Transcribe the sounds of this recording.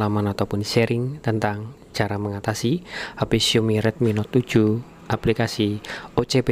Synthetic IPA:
lamanɔt̪ɔpʊnseɾɪŋt̪ənt̪aŋ̥ | ʒ̥a̤ɾaməŋat̪asiapisiumiɾɛt̪̚minɔt̪ud̥ʒ̥ṳ | ʔaplikasiʔot͡ʃepe

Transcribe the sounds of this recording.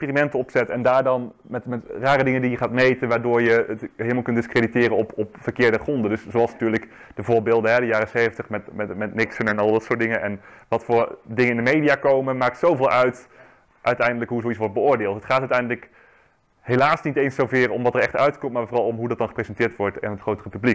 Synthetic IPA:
ɛspiːrimɛntəɔpsɛtɛndaːɹdɑn | mɛtmɛtraːɾədɪŋəndijəχaːtmejtənʋaːɹdʊːɹjəətɦeləmalˠkɵntdɪskreditɪːrənɔpɔpfərkɪːɹdəχrɔndəndɵssowɑlˠsnatyːɹlək | d̥əvʊːɹbeːlˠdəɦɛdəjaːrəsejvəntəχmɛtmɛtmɛtnɪksənɛnɑlˠdɑtsʊːt̚dɪŋənʔɛnʋɑtfʊːɹdɪŋənɪndəmejdijaːkowməmaːk̚tsowveːlˠœɥt | ʔœɥtɛjndələkɦuzowisʋɔɹt̚bəʊːɹdɪːlˠtɦətχaːtœɥtɛjndələk | hejlaːsnitejnsowvɪːrɔmʋɑtəɹɛχtœɥtkɔmtmaːɹvoːrɑlˠɔmɦudɑt̚d̥ɑnχəprezɛntɪːɹtʋɔɹtɪ̰nətχrowtərəpyblik

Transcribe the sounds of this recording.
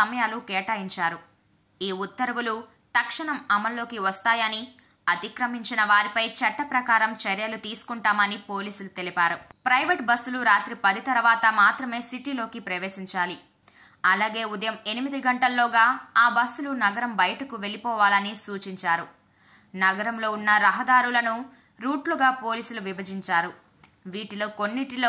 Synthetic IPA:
ɐmɐjaːlukɛːʈaːjiɲt͡ʃaːɾu | iːut̪ːɐɾɐʋulu | t̪ɐkʂɐɳɐmɐmɐlːo̞ːkiʋɐst̪aːjɐni | ɐt̪ikɾɐmiɲt͡ʃinɐʋaːɾipɐjt͡ʃɐʈːɐpɾɐkaːɾɐmt͡ʃɐɾjɐlut̪iːsu̥kuɳʈaːmɐnipo̞ːliːsulut̪e̞lipaːɾupɾɐjʋeʈbɐsːuluɾaːt̪ɾipɐd̪it̪ɐɾʋaːt̪ɐmaːt̪ɾɐme̞ːsiʈilo̞ːkipɾɐʋe̞ːsiɲt͡ʃaːli | ɐlaːɡe̞ːud̪ɐjɐme̞nimid̪iɡɐɳʈɐlːoːɡaːaːbɐsːulunɐɡɐɾɐmbɐjɐʈɐkuʋe̞lipɔːʋaːlɐnisuːt͡ʃiɲt͡ʃaːɾu | nɐɡɐɾɐmlo̞ːunːɐɾɐɦɐd̪aːɾulɐnu | ɾuːʈluɡaːpo̞ːliːsuluʋibɐd͡ʒiɲt͡ʃaːɾu | ʋiːʈilo̞ːkonːiʈiloː

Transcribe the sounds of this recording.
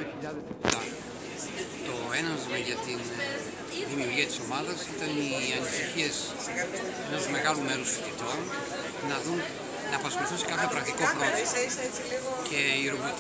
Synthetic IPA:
ʎɐðt̪ɐ | t̪o̞enɐnzmɐʝɐt̪in | ðimiuɾʝiɐt̪i̥so̞mɐðɐsit̪ɐniɐnisiçies | ɐ | enɐzme̞ɣɐlume̞ɾusfi̥θit̪o̞n | nɐðun | nɐːpɐsxo̞luiθunsekɐθepɾɐkt̪ikoɾot̪iset͡siliɣoce̞iɾovit̪

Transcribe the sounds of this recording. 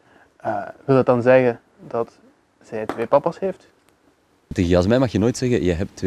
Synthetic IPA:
əʋɪlˠət̚dɑnzɛɣən | dɑt | z̥ɛjtʋeːpɑpasɦeːft | tɪɣijɑs̬mɛmɑxjənoːjtsɛɣəjəɦɛp̚tʋ

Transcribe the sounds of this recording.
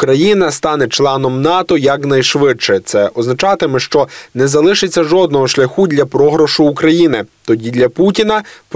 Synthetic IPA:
kɾɐjinɐst̪ɑnɛt͡ʃlˠɑnɔmnɑt̪ɔjɐknɐjʃʋɪdt͡ʃɛt̪sɛʔɔznɐt͡ʃɑt̪ɪmɪʃt͡ʃɔnɛzɐlˠɪʃɪt͡sʲːɐʒɔd̪̚nɔɦɔʃlʲɐxud̪ʲlʲɐpɾɔɦɾɔʃʊːkɾɐjinɪt̪ɔdʲid̪ʲlʲɐputʲinɐp

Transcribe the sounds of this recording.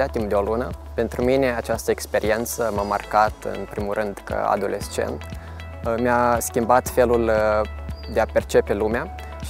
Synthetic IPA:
eat̪impd̪eo̞lunəpe̞nt̪ɾumine̞at͡ʃast̪əekspe̞ɾie̞nt̪səmamarkat̪ɨ̰npɾimulrʔɨnd̪kə̰a̰d̪o̞lʔe̞st͡ʃe̞̰nt̪ | measkʲimbat̪fe̞lul | d̪e̞ape̞rt͡ʃe̞pe̞lumea | ʃ

